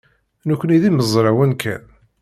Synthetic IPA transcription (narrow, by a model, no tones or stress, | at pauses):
nukʷːəniðiməzˤɾˤɑwənkʰæ̰n